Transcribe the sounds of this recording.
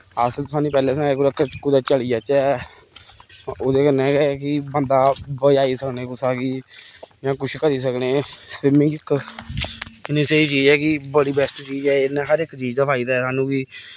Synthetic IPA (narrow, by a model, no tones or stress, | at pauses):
əst̪ʊsaːnĩːpɛːleːsãɛkoɾəkːət͡ʃʊkːuːd̪aːt͡ʃəɭiːaːt͡ʃɛː | oːd̪eːkənːɛ̃ːɡɛːkɪbənd̪aːbəjaːiːsəkneːkʊsaːkiːjãːkʊt͡ʃʰkəɾiːs̬əkneːsɪmɪ̃ŋɡɪkː | ɪnĩːsəiːt͡ʃiːd͡ʒɛːkɪbəɽiːbɛːsʈt͡ʃiːd͡ʒɛːɪnɛ̃ːɦəɾɪkt͡ʃiːd͡ʒd̪əpʰaːiːd̪aːsaːnũːkiː